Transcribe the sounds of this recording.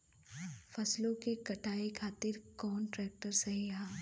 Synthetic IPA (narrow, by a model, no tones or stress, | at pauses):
fʰɐslõkekɐʈʰaːekʰaːt̪ɪɾkɔːnʈɾɛːk̚ʈəɾsɐɦiaː